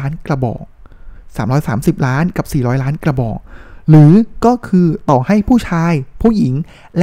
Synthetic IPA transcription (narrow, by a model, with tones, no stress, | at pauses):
nkla˧bɔ̰ː˨˩k̚ | saː˩˦mɾɔː˦˥jsaː˩˦msi˨˩p̚ɾaː˦˥nka˨˩p̚siː˨˩ɾɔː˦˥jlaː˦˥nkla˧bɔ̰ː˨˩k̚ɾɯː˩˦kɔː˥˩kʰɯː˧t̪ɔː˨˩ha˥˩jpʰuː˥˩t͡ɕʰaː˧jpʰuː˥˩ji˩˦ŋ | lɛ˦˥